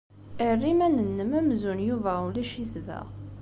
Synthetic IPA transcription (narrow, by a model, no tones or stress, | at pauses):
irːimænənːəmæmzunjuvæulæʃiθðæ̰